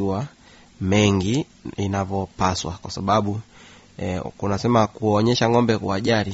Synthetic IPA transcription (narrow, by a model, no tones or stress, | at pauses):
wa | mɛŋɡi | inavɔpaswakwasaɓaɓu | kunasɛmakuɔɲɛʃaŋɔmbɛkwuaʄaɾi